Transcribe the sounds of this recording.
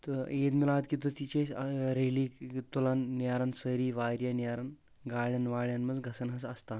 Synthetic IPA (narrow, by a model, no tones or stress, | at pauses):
t̪əet̪milaət̪kit̪ot̪it͡ɕesɾeliːt̪ulanːiaɾansəɾiːʋaɾjaniaɾan | ɡaɭjanʋaɭjanməd͡zɡʱəsənɦəs̬əst̪a